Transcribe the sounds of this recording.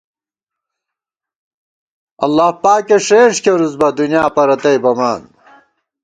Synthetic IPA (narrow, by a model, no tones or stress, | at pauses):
ɐ̰lːaːhpaːkeʂeːʂkeɾuzbɐd̪unjaːpɐɾɐt̪ɐjbɐmaːn